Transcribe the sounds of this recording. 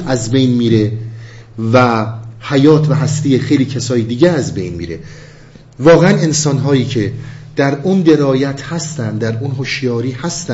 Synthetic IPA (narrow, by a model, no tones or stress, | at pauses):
ʔæzbejnmiːɾe̞ | væhæjɒːt̪ʰvæɦæst̪iːexejliːcʰesɒːjed̪iːɟeæzbḛjnmḭːɾe̞̰ | vɒːɣeænensɒnɦɒːjiːcʰe̞d̪̥æɾund̪e̞ɾɒːjæt̪ʰhæst̪ænd̪d̪æɾunɦoʃjɒːɾiːhæst̪æ